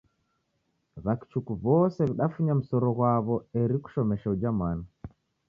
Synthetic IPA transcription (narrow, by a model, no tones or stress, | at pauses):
βaki̥t͡ʃukuβɔsɛβiɗafuɲam̩sɔɾɔɣwaβɔɛɾiku̥ʃɔmɛʃaud͡ʒamana